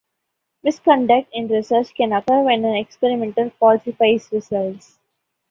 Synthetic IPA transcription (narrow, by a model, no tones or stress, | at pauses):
mɪskɔ̃ɳɖək̚ʈɛ̃ɳɖɾɪsəɾt͡ʃkɛ̃nəkəɾʋɛ̃nə̃nekspeɾɪmɛ̃ɳʈəlfɔːld͡ʒifaɪsɾɪsəlʈs